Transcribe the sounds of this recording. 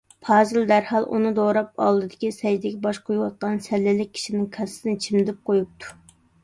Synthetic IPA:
pʰɑːzɨld̪æɾhɑlˠʔṵnɨd̪oɾɑp̚ɑ̰lˠd̪ɨd̪ɪkʲisɛd͡ʒd̪ɪɡʲɛbɑʃqʰojuwɑt̪̚qɑnsɛlːɪlɪk̚ʲʰːi̥ʃinɪŋkʰɛssɪnɪt͡ʃʰimd̪ɪp̚qʰojup̚t̪ʰu̥

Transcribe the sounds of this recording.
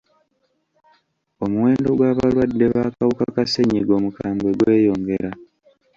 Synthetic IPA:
o̞muwe̞ːndo̞ɡwaːβalwadːe̞βaːkawukakaseɲiɡo̞mukaːmbwe̞ɡwe̞ːjo̞ːŋɡe̞ɾa

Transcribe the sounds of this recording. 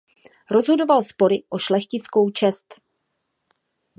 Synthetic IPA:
ɾo̞zɦo̞do̞valspo̞ɾɪʔo̞ʃlɛxcɪt͡sko̞wt͡ʃɛst̪

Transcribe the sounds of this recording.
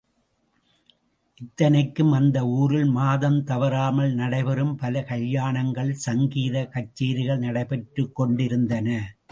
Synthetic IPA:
ʔɪt̪ːɐnɐɪkːɯmɐnd̪ɐuːɾɪlmaːðɐmt̪ɐʋɐɾaːmɐlnɐɽɐɪpɐɾɯmpɐlɐkɐɭjaːɳɐŋɡɐɭsɐŋɡiːðɐkɐt͡ʃːiːɾɪɣɐɭnɐɽɐɪpɛʈrɯkːɔɳɖɪɾɯnd̪ɐnɐ

